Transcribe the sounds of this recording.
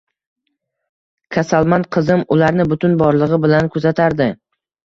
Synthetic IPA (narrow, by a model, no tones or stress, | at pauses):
kʲʰasalˠmanqʰɨzɪmʊlaɾnɪbʊt̪ʰʊnbɒɾlˠɨʁɪbɪlankʰɵzat̪ʰaɾd̪ɪ